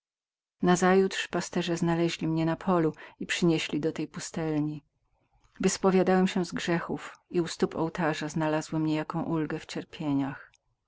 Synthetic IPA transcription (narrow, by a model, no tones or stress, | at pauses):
nazajut̪ʂpast̪ɛʐɛznalɛʑlʲimɲɛnapʰɔluipʂɘɲeɕlʲid̪ɔt̪ɛjpust̪ɛlɲi | vɘspɔvʲjad̪awɛmɕɛzɡʐɛxufiust̪upɔ̰wt̪aʐaznalazwɘmɲɛjakɔ̃w̃ʔulɡɛft͡ɕɛɾpʲjeɲax